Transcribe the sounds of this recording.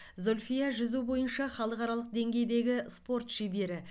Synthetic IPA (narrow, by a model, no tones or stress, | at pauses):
zo̞lʲfijaʒʏzubo̞jənʃɑχɑlˠəqɑɾɑlˠəq̚d̪e̞ŋɡʲe̞jd̪e̞ɡʲɪspo̞rt̪ʃebe̞ɾɪ